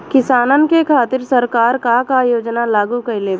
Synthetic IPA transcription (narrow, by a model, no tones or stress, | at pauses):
kɪsaːnənkekʰaːt̪ɪɾsɐɾkaːɾkakajoːd͡ʒnalaːɡukɐɪleː